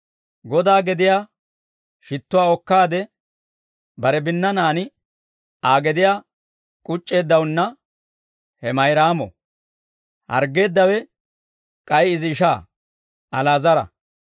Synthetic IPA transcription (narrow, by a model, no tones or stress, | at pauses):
ɡɔd̪aːɡɛd̪ɪjaː | ʃɪt̪ːʊwaːɔkːaːd̪ɛ | bɐɾɛbɪnːɐnaːnɪ | aːɡɛd̪ɪjaː | kʼʊt͡ʃʼːe̞ːd̪ːɐwnːɐ | hɛmɐjɾaːmɔ̰ | hɐ̰ɾɡe̞ːd̪ːɐwɛ | kʼɐjɪzɪʃaː | ʔɐlaːzɐɾɐ̰